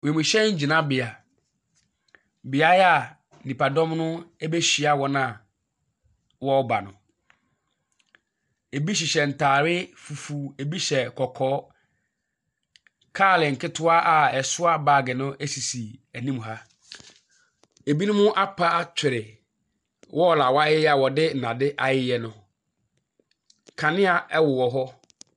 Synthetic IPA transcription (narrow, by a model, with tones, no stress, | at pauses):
we˨mʊ̃˨ɕɛ˦ɲ̩˦d͡ʑi˨nã˦bɪ˨a˨ | bɪ˨a˦ja˨ | nĩ˨pa˨dɔ̃˦mnʊ̃˦e˦be˦ɕᶣi˨a˨wɔ˨nã˨ | wɔ˦ba˨nʊ̰̃˨ | e˨bi˦ɕ̬ɪ˨ɕɛ˨n̩˨tʰaː˨ɾɪ˦fu˨fu˦e˨bi˦ɕɛ˨kʰɔ˨kʰɔː˦ | kʰaː˦˨lɪ˨ŋ̩˨kʰɪ˦tʰʊ˦a˦ʔa˨ɛ˨sʊ˦a˦baː˦˨ɡɪ˨nʊ̃˦ʔe˦si˨si˨æ˨nĩ˦m˨ɦa˦ | e˨bi˦nʊ̃˦mʊ̃˦ʔa˦pʰa˦a˦t͡ɕʰᶣɪ˨ɾɪ˨ | wʔɔ˦˨la˨wa˦jɪ˦a˨wɔ˨dɪ˦n̩˨nã˨dɪ˦ʔa˨jɪ˦jɛ˦nʊ̃˦ | kʰã˨nɪ̃˦a˨ɛ˦wʊ˨wɔ˨ɦɔ˦